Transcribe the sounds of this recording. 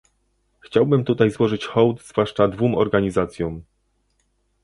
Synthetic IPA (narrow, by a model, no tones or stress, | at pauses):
xt͡ɕawbɘmt̪ut̪ajzwɔʐɘt͡ɕxɔwt̪zvwaʂt͡ʂad̪vumɔɾɡaɲizat̪sʲjɔm